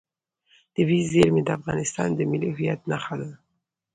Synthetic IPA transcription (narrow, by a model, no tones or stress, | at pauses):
d̪̥əwizeɾmed̪əafɣɑ̰nɪst̪ɑ̰nd̪əmɪliɦʊjat̪naxad̪a